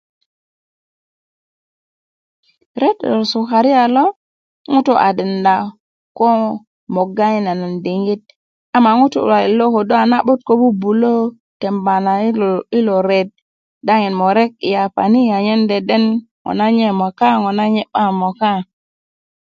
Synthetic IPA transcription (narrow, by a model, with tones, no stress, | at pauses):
ɾe˦to˨su˨ka˨ɾi˦a˨lo˦ | ŋu˦tu˦ʔa̰˨di˨nda˨ | ko˦ | mo˨ɡa˦i˦na˨na˨ndi˨ŋɡi˦t̚ | a˨ma˨ŋu˦tṵ˨a˨i˨lo˦ko˨do˦a˨na˦ɓu˦t̚ko˦bu˦bu˨lo˦ | te˨mba˨na˨˦˨i˦lo˨ɾe˨t̚ | da˦ŋi˨nmo˨ɾe˦k̚i˨ja˨pa̰˨ni˦a˨ɲe˦nde˨de˦n | ŋo̰˨na˦ɲe˦mo˨ka˦ŋo˨na˦ɲe˦ɓa˦mo˨ka˦